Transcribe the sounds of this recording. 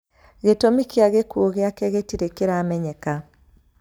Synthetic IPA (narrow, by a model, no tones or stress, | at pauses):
ɣetomikjaɣekuoɣeakɛɣetiɾekeɾamɛɲɛka